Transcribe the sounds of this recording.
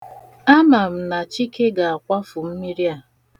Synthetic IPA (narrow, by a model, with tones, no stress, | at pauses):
a˦ma˨m̩˨na˨t͡ʃi˦ke˦ɡa˨a˨kʷa˦fʊ˨m̩˦mi˦ɾi˦a˨